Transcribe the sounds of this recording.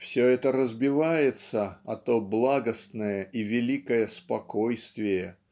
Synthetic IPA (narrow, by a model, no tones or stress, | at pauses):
fsʲɵɛt̪əɾəzbʲɪvajɪt̪səɐt̪oblˠaɡəst̪nəjəʔivʲɪlʲikəjəspɐko̞jst̪vʲɪjə